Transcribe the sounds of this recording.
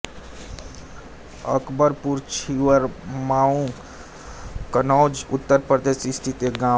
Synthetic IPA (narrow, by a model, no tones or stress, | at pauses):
ə̰kbəɾpuɾt͡ʃʰiʋəɾmaːũ | kənɔːd͡ʒʊt̪ːəɾpɾəd̪eːsist̪ʰit̪eɡã